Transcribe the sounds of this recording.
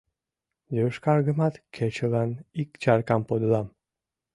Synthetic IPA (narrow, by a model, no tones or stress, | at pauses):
jøʃkɑɾɡəmɑt̪kʰet͡ɕəlɑnikt͡ʃɑɾkɑmpod̪əlɑm